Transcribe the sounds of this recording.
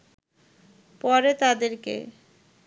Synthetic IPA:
pɔɾet̪ad̪eɾkḛ

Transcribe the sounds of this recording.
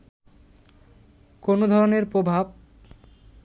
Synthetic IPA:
konod̪ʱɔɾoneɾpɾobʱab̚

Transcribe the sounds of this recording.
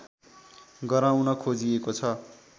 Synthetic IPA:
ɡʌɾawnʌkʰod͡ziekot͡sʰʌ

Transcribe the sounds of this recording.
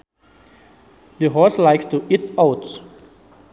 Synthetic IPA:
d̪əɦɔslaɪkstuʔitaʊt

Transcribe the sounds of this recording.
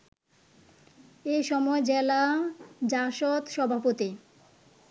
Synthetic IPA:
eʃɔmɔed͡ʑelad͡ʑaʃot̪ʃɔbʱapot̪i

